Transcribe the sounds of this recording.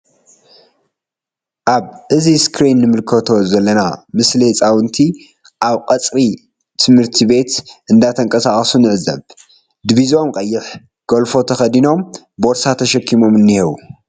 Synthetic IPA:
ʔaβʔɨziskɾinːɨmɨlkʰɐt̪ʰo̞zɐlːɐnamɨslihɨt͡sʼawɨnt̪ʰi | ʔaβqʼɐt͡sʼɾi | t̪ʰɨmhɨɾt̪ʰiβe̞t̪ʔɨnd̪at̪ʰɐŋkʼɐsaχʼsunɨʕɨzɐ̰β | d̪ɨβizo̞mqʼɐjːɪħ | ɡ̥olfo̞t̪ʰɐxɐd̪ino̞m | boɾsat̪ʰːɐʃɐkʰːimo̞mɨnːihewu

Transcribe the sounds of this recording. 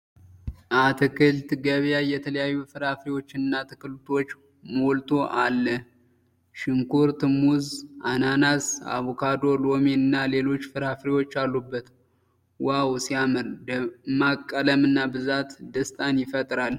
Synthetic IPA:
ʔat̪ʰɨkʰɨlt̪ɡəβjajɛt̪ʰələjajːufɨɾhafɾiwo̞t͡ʃːɪnɨnːat̪ʰɨ̥kɨlut̪ʰo̞t͡ʃː | molt̪ʰo̞ʔalːə | ʃɪŋkuɾt̪ʰɨmuzʔananasa̰βokʰad̪o̞lo̞meɨnːale̞lo̞t͡ʃːfɨɾhafɾiwo̞t͡ʃːalːubːət̪ | wawsijamɨɾdmakʼːələmɨnːabɨzat̪d̪əst̪ʼanjɪfət̪ʼɾal

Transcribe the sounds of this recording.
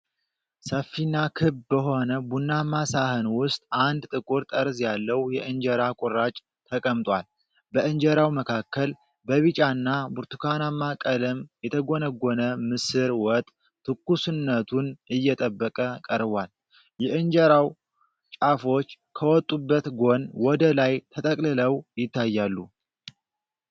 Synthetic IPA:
səfːinakʰɨβbəɦo̞nəbunːamasahɨnwʊst̪ʼʔand̪t̪ʼɨkʼuɾt̪ʼəɾzjalːəwjɛʔɨnd͡ʒɛɾakʼʊɾːat͡ʃʼ | t̪ʰəkʼəmt̪ʼwal | bəʔɨnd͡ʒɛɾawməkʰakːəl | bəβɨt͡ʃʼanːabuɾt̪ukʰanamːakʼələmjɛt̪ʰəɡo̞nəɡːonəmɨsɨɾwɔt̪ʼː | t̪ʰːɨkːusɨnːət̪ʰunɨjːɛt̪ʼəbːəkʼəkʼəɾβal | jɛʔɨnd͡ʒɛɾaw | t͡ʃʼafo̞t͡ʃː | kʰəwɔt̪ʼːubːət̪ɡo̞nwɔd̪əlajt̪ʰət̪ʼəkʼlɨləwjɪt̪ːajːalːu

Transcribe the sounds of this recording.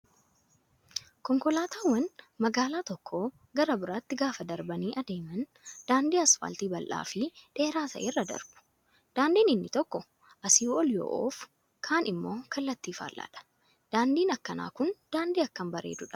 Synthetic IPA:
kɔŋkɔlaːt̪ʰaːwːɐnmɐɡaːlaːt̪ɔkʰːoː | ɡɐɾɐbɪɾaːt̪ːɪɡaːfɐd̪ɐɾbɐniːʔɐd̪e̞ːmɐn | d̪̥aːnd̪iːɐsfa̰ːlt̪iːbɐlʔa̰ːfɪᶑe̞ːɾaːt̪ɐ̰ʔerːɐd̪ɐ̰ɾb̥ʊ̥ | d̪̥aːnd̪iːnɪnːɪt̪ɔkːɔ | ʔɐsiːɔljo̰ːʔo̰ːf | kʰaːnɪmːo̞ːkɐlːɐt̪ːiːfa̰ːlʔa̰ːᶑɐ̥ | d̪̥aːnd̪iːnɐkːɐna̰ːkʊnd̪̥aːnd̪iːɐkːɐmbɐɾe̞̰ːd̪ʊᶑɐ̥

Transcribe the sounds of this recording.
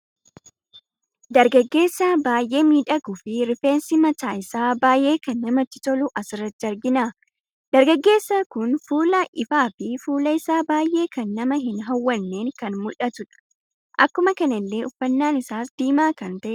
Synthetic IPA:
d̪ɐɾɡɐɡːe̞ːsːaːbaːjʔe̞ːmiːᶑɐɡʊfɪɾɪfe̞ːnsɪmɐt̪aːɪsaːbaːjʔe̞ːkɐnːɐmɐt̪ːɪ̥t̪ɔlʊʔɐsɪrːɐt̪̚d͡ʒɐɾɡɪnaː | d̪ɐɾɡɐɡːe̞ːsːakʊnfuːlɐʔɪfaːfɪfuːlɐɪsaːbaːjʔe̞ːkɐnːɐmɐɦɪnɦɐwːɐnːe̞ːŋkɐnmʊlɐt̪ʊᶑɐ̥ | ʔɐkːʊmɐkɐnɐlːe̞ːʔʊfːɐnːaːnɪsaːsd̪̥iːmaːkɐnt̪ɐʔɛ

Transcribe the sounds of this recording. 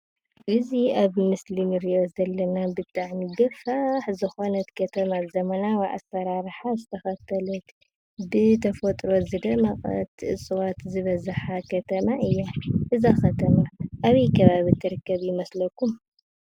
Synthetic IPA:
ʔɨziaβmɨslinɨɾijo̞zɐlːɐnabɨt̪ʼaʕmiɡɐfaħzɨxo̞nɐt̪kʰɐt̪ʰɐmazɐmɐnawaʔa̰sɐɾaɾħazɨt̪ʰɐxɐt̪ʰɐlɐt̪ | bɨt̪ʰɐfɐt̪ʼɾo̞zɨd̪ɐmɐχʼɐ̰t̪ʔɨsʼɨwat̪zɨβɐzaħakʰɐt̪ʰɐmaʔɨjːaʔɨzaxɐt̪ʰɐmaʔaβikʰɐβaβit̪ʰɨɾɨkːɐβjɪmɐslɐkːum

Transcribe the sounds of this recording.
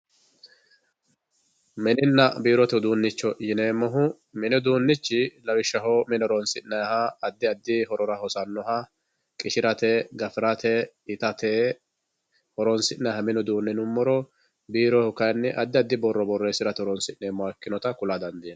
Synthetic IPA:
mɛnɪnːɐbiːɾɔt̪ɛd̪uːnːɪt͡ʃːɔjɪneːmːɔɦʊ | mɪnɛd̪uːnːɪt͡ʃːɪlɐwɪʃːɐɦoːmɪnɔɾɔnsɪʔnɐjhɐːd̪ːɪɐd̪ːɪhɔɾɔɾɐhɔsɐnːɔɦɐ | kʼɪʃɪɾɐt̪ɛɡɐfɪɾɐt̪ʰɛ | ɪt̪ɐt̪e | hɔɾɔnsɪnɐjhɐmɪnɔd̪uːnːɛnʊmːɔɾɔ | biːɾɔhʊkɐjnːɪʔɐd̪ːɪɐd̪ːɪbɔrːɔbɔrːeːsɪɾɐt̪ɛɔɾɔnsɪʔneːmːɔakːɪnɔt̪ɐkʊlad̪ɐnd̪iːn

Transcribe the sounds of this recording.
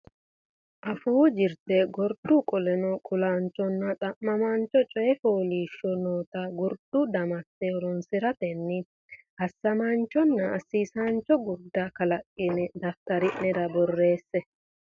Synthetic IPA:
ʔɐfuːd͡ʒɪɾt̪ɛɡɔɾd̪ukʼɔlɛnɔkʼʊlaːnt͡ʃːɔnːɐt̪ʼɐmːɐmant͡ʃːɔt͡ʃʼɔjɛfoːliːʃːɔnoːt̪ɐɡɔɾd̪̥ud̪ɐmɐt̪ːɛɔɾɔnsɪɾɐt̪ɛnːɪ | hɐsːɐmant͡ʃːɔnːɐɐsːiːsant͡ʃːɔɡʊɾd̪ːakɐlɐkʼːɪnɛd̪ɐft̪ɐɾɪʔɛd̪ɐbɔrːe̞ːsːɛ

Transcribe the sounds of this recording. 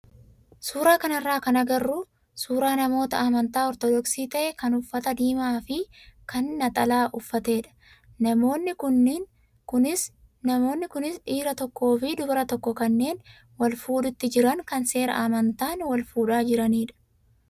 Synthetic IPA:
suːɾaːkɐnɐrːaːkɐnɐɡɐrːuː | suːɾaːnɐmo̞ːt̪ɐɐmɐnt̪aːɔɾt̪ɔd̪ɔksiːt̪ɐʔɛkɐnʊfːɐt̪ɐd̪iːmaːfɪkɐnːɐt̪ʼɐlaːʔʊfːɐt̪e̞ːᶑɐ̥ | nɐmo̞ːnːɪkʊnːn | kʊnɪs | nɐmo̞ːnːɪkʊnɪsᶑiːɾɐt̪ɔkːo̞ːfɪd̪ʊbɐɾɐt̪ɔkːɔkɐnːe̞ːn | wɐlfuːᶑʊt̪ːɪd͡ʒɪɾɐŋkɐnse̞ːɾɐ̰ʔɐmɐnt̪aːnwɐlfuːᶑaːd͡ʒɪɾɐniːᶑɐ̥

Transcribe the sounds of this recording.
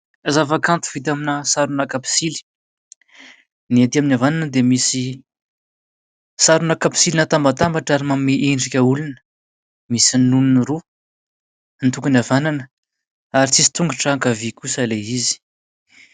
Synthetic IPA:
azavakant̪u̥v̥it̪̬aminəsaɾunakapi̥sili̥ | niat̪iaminavananəd̪emisi | saɾunakapi̥silinat̪ambat̪ambaʈ͡ʂaɾimameʔeɳɖ͡ʐikʲəulunə̥ | misinuniniɾu | nt̪uŋkunavananə | aɾit͡sisi̥t̪uŋɡuʈ͡ʂaaŋkavikusaleizi̥

